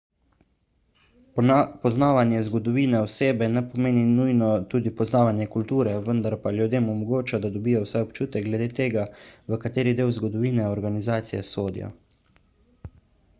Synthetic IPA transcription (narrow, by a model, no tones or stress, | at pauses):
pɔznaːʋanjɛzɡɔd̪ɔʋiːnɛɔseːbɛnɛpɔmeːninujnɔt̪uːd̪ipɔznaːʋanjɛkult̪uːɾɛʋənd̪aɾpaljud̪eːmɔmɔɡoːt͡ʃad̪ad̪ɔbiːjɔwsɛɔpt͡ʃuːt̪ɛɡɡlɛd̪eːt̪eːɡaʋəkat̪eːɾid̪eːwzɡɔd̪ɔʋiːnɛɔɾɡanizaːt̪sijɛ̰soːd̪ḭjɔ̰